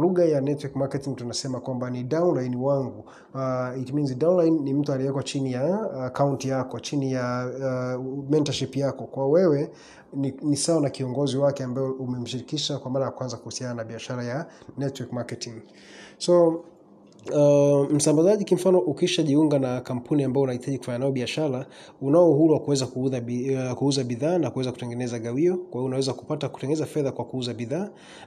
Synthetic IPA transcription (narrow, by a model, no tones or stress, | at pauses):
luɣajanɛtwikmakɛtiŋɡtunasɛmakwambanidaunlajniwaŋɡu | itminzidaunlajnːim̩tualiɛkwat͡ʃinijaːkauntijakɔt͡ʃinija | mɛntaʃipjakɔkwawɛwɛ | ninisawanakiɔŋɡɔziwakɛambaɛumɛm̩ʃiɾikiʃakwamaɾajakwanzakuhusiananaɓiaʃaɾajanɛtwikmakɛtiŋ | sɔ | m̩sambazaʄikim̩fanɔʔukiʃaʄiuŋɡanakam̩pʰuniambaɔunahitʰaʄiku̥faɲanaɔɓiaʃaɾa | unaɔuhuɾuwakuwɛzakuðakuuzaɓiðaːnakuwɛzakutɛŋɡɛnɛzaɠawiɔkwaiɔunawɛzaku̥pataku̥tɛŋɡɛnɛzafɛðakwakuuzaɓiðaː